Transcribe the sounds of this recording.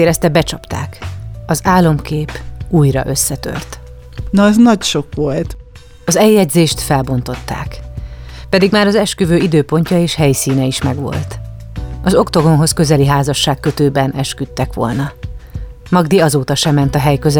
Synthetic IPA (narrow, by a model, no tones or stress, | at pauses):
eːɾɛst̪ɛbɛt͡ʃɒpt̪a̰ːkɒzaːlːo̞mkeːpuːjrɒ̰ʔø̞sːɛt̪ø̰rt̪ | nɒɛznɒcʃokʋolt̪ | ɒzɛjːɛɟzeːʃt̪fɛlbo̞nt̪o̞t̪ːa̰ːk | pɛd̪iɡmaːɾɒzɛʃkyvøːid̪øːpo̞ɲcɒeːʃhɛjsiːnɛiʃmɛɡʋo̞̰lt̪ | ɒzo̞kt̪o̞ɡo̞nɦo̞skø̞zɛliɦaːzɒʃːaːkːø̞t̪øːbɛnʔɛʃkyt̪ːɛkʋo̞̰lnɒ | mɒɡd̪iɒzoːt̪ɒʃɛmɛnt̪ɒɦɛjkøz